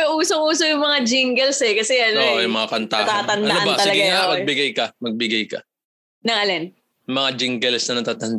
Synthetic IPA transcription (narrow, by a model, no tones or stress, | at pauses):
ʔuːsoŋʔuːsojʊŋmɐŋad͡ʒɪŋɡɛlsɛkɐsɛɐnoojʊmɐŋakɐnt̪a̰t̪aːt̪ɐnd̪anɐʔɐnbaɐlɐɡaŋamɐɡ̚bɪɡajkɐmɐɡ̚bɪɡajkɐ̰ | nɐŋɐlɛn | mɐŋad͡ʒɪŋɡɛlsnɐnɐt̪aːt̪ɐnd̪